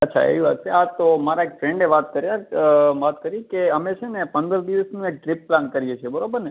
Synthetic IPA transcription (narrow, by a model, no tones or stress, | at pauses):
ətːʃʰa̰ḛʋiʋa̰t̪̚t͡ʃʰeat̪omaɾaekfɾɛ̃ɳɖeʋat̪kəɾjaʋat̪kəɾikeəmet͡ʃʰenepənd̪əɾd̪iʋəsnũek̚ʈɾɪpːlankəɾijet͡ʃʰebəɾobəɾne